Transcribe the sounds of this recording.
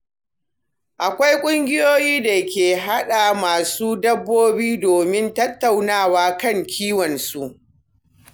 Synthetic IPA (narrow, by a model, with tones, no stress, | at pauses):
ʔa˨kʷa˦jkʷʼʊ˦ŋɡʲɪ˦joː˦jiː˦da˨kʲeː˨ɦa˦ɗa˨maː˨suː˦dɐ˦bːoː˦biː˦doː˨mɪ˦ntɐ˦tːa˨wnaː˦˨waː˦kɐ˦˨ŋkʲʰiː˦wɔ˨nsu˦ʔ